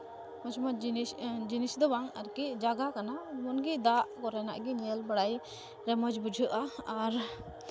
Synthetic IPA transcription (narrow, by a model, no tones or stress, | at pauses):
mɔd͡ʒmad͡ʒd͡ʒinisd̪ɔbaŋaɾkid͡ʒaɡakanamɔnɡid̪aʔkɔɾɛna̰ʔɡiɲɛlbaɽaj | ɾɛmɔd͡ʒbud͡ʒʱɯʔaaɾ